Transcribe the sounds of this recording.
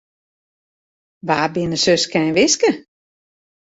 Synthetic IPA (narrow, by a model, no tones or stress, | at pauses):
ʋaːbɪnəsøskʰɛnʋɪskə